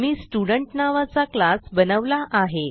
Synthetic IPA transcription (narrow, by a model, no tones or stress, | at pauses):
miːsʈuɽəɳʈnaʋat͡saklasbənəʋlaʔaɦe